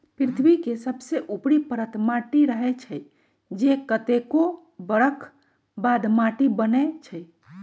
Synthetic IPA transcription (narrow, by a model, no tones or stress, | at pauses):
pɾit̪ʰbikesəbseʔupɽipəɾət̪maʈiɾəɦɛt͡ʃʰəj | d͡ʒekət̪eko | bəɽəkʰ | bad̪maʈibənɛt͡ʃʰəj